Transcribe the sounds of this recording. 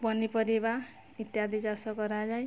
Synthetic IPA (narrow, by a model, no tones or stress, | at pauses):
bʌnipʌɾeba | it̪jad̪id͡zasʌkʌɾad͡zaj